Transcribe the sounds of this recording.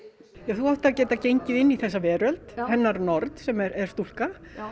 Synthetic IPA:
jɛθuaht̪acɛːt̪acejɲcɪðɪnːiθɛsːavɛːɾœlt̪hɛnːaɾnɔɾt̪sɛmɛɾɛɾ̥st̪ul̥ka

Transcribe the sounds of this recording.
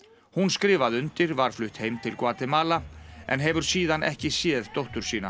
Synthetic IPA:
hunskɾɪːvaðʏnt̪ɪɾvaɾ̥flʏht̪heːjmt̪ʰɪlkvaːt̪ɪmaːlaɛ̰nɦɛvʏɾ̥siːðanʔɛhcɪsjɛːðt̪owht̪ʏɾ̥siːna

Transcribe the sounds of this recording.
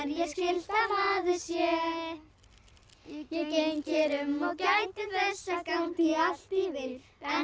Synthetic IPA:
ɾjɛscɪlt̪ahaðɪsjɛ | jɛcecɪɾʏmːɔcajt̪ɪθɛsːakawt̪ial̥t̪ivɪɾɛ

